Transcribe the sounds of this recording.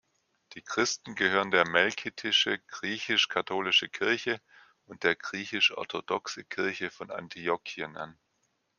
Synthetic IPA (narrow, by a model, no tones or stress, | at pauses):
d̥iːkʁ̥ɪstn̩ɡəɦhøːʁ̞əndeːɐmɛlkʰitʰɪʃəɡ̥ʁiːçɪʃkʰatʰoːlɪʃəkʰɪɐçə | ʔʊnt̚d̥eːɐɡʁiːçɪʃʔɔ̰ɐtʰodɔksəkʰɪɐçəfɔna̰ntʰijokʰiənʔa̰n